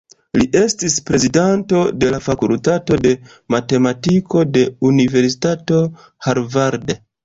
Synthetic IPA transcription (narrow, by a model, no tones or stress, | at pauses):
liʔe̞stispɾe̞zidanto̞de̞lafakultato̞de̞ | mate̞matiko̞de̞unive̞ɾsi̥tato̞ | haɾvaɾd